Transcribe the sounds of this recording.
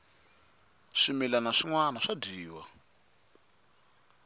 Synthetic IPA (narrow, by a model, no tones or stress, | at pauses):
ʂimilanaʂiŋwanaʂadiːwa̰